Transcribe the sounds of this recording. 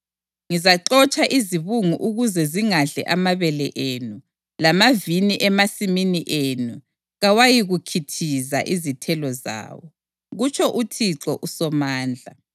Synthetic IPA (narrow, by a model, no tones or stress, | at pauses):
ŋizaǁɔt͡ʃʰʼaʔiziβuŋuʔuɣuzɛziŋaɮɛ̰ʔamaβɛlɛʔeːnu | lamaviniʔɛmasiminiʔeːnu | ɣawajiɣukʰitʰizaʔizitʰɛlɔza̰ːwɔ | ɣut͡ʃʰʼɔʔutʰiǁɔʔusɔmaːnd͡ɮʱa